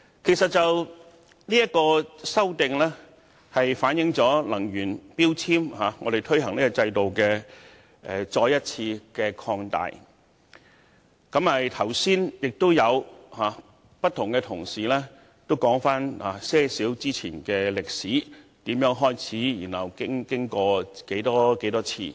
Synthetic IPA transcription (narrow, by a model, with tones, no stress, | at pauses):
kʰe˨˩sɐ˨t̚t͡sɐ˨w | niː˥jɐ˥kɔː˧sɐ˥wt̪ɪ˨ŋlɛː˥ | hɐ˨jfaː˨˥njɪ˨˥ŋt͡sɔː˨˥lɐ˨˩ŋjyː˨˩npiː˥wt͡sʰiː˥mhaː˨˧ŋɔ̰ː˨˧ɾe˨jt̪ʰɵ˥ɥɦɐ˨˩ŋniː˥kɔ˧t͡sɐ˧jt̪o˨wkɛː˧ | ɛ̰˨t͡ʃɔː˧jɐ˥t̚t͡sʰiː˧kɛ˧kʰɔː˧ŋt̪a̰ː˨j | kɐ˨˥mɐ˨jt̪ʰɐ˨˩wsiː˥njɪ˨k̚t̪o˥wjɐ˨˧whaː˨˩ | pɐ˥t̪̚ʰːʊ˨˩ŋkɛ˧t̪ʰʊ˨˩ŋsiː˨lɛː˥ | t̪o˥wkɔː˨˥ŋfaː˥naː˨˧sɛː˥siː˨˥wt͡siː˥t͡sʰiː˨˩nkɛː˧lɪ˨k̚siː˨˥t̪iː˨˥mjœː˨˥ŋɦɔː˥jt͡sʰiː˨˥jyː˨˩nhɐ˨˩wkɪ˥ŋkɪ˥ŋkɔː˧ke˨˥jt̪ɔː˥ke˨˥jt̪ɔː˥t͡sʰḭː˧